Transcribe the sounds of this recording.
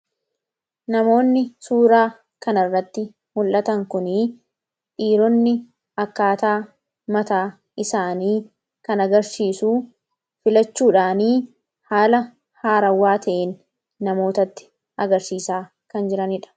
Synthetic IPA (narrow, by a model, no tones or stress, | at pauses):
nɐmo̞ːnːɪsuːɾaː | kɐnɐrːɐt̪ːɪ | mʊlːɐt̪ɐŋkʊni | ᶑiːɾɔnːɪ | ɐkːaːt̪aː | mɐt̪aː | ɪsaːniː | kɐnɐɡɐɾsiːsuː | fɪlɐt͡ʃːuːᶑaːniː | haːlɐ | haːɾɐwːaːt̪ʰɐʔeːnː | ɐmo̞ːt̪ɐt̪ːɪ̥ | ʔɐɡɐɾsiːsaː | kɐnd͡ʒɪɾɐnɪᶑɐ̥